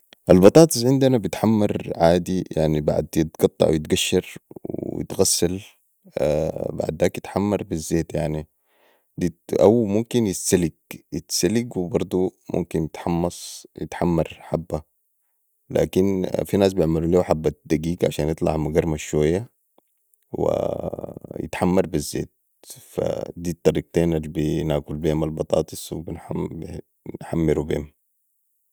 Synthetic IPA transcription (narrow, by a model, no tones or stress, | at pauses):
ʔalbɑt̪ˤɑːt̪ˤɨsʕɪnd̪anabit̪ħamːɑɾˤʕaːd̪ija̰ʕniba̰ʕ̰d̪jɪt̪̚ɡ̥ɑt̪ˤːɑ̰ʕwjɪt̪ɡaʃːɑɾw̰jɪ̰t̪ɣasːal | ba̰ʕd̪ːaːkjɪt̪ħamːɑɾˤbizːeːt̪jaʕni | d̪iʔa̰wmumkinjɪsaliɡjɪt̪salɪɡwibɑɾˤd̪ˤumṵmkinjɪt̪ħɑmːɑsˤjɪ̰t̪ħamːɑɾˤħabːa | la̰ːkinfinaːs̬bijɪʕmaluliːwħabːad̪aɡiːɡʕa̰ʃaːnʔɨt̪ˤlɑ̰ʕmaɡɑɾˤmaʃwajːa | wḭ | jɪ̰t̪ħamːɑɾˤbizːḛːt̪̚ | fa̰d̪iːt̪ˤːɑɾiːq̚t̪eːnalbinaːɡulbeːmalbɑt̪ˤɑ̰ːt̪ˤɨsˤwibinab | nħamːɪɾubḛːm